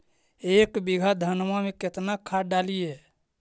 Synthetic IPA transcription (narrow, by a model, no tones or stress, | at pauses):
ekbiɡʱad̪ʱənmameket̪nakʰaɖalije